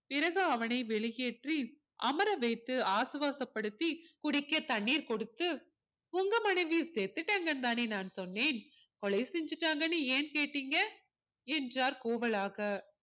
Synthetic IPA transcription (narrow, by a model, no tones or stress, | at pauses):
pɪɾɐɣɐɐʋɐnɐɪʋɛɭɪjeːʈri | ʔɐmɐɾɐʋɐɪt̪ːɯaːsɯʋaːsɐpːɐɽɯt̪ːikʊɽɪkːɐt̪ɐɳːiːɾkɔɽɯt̪ːɯ | ʊŋɡɐmɐnɐɪʋiseːt̪ːɯʈːɐːŋɡɐnt̪aːneːnaːnsɔnːeːn | kɔɭɐɪsɪɲd͡ʒɯʈːaːŋɡɐnɯeːnkeːʈːiːŋɡɐ | ɛndraːɾkoːʋɐɭaːɣɐ